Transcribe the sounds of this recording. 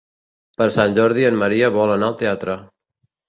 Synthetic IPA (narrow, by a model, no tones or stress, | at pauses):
pəɾsanʲʒɔɾðiənməɾiəβɔlənaəlˠt̪eat̪ɾə